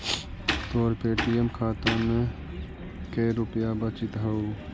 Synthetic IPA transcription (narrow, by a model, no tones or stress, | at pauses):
t̪oːɾpeːʈijemkʰaːt̪õmẽ | keːɾʊpjabət͡ʃɪt̪ɦɐuː